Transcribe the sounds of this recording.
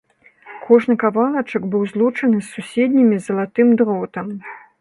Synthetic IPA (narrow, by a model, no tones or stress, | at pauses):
kʰɔʐnɨkavalˠɐt͡ʂɐɡbɨwzlˠut͡ʂɐnɨsːusʲɛd̪̚ʲnʲimʲizɐlˠat̪ɨmd̪ɾɔt̪ɐm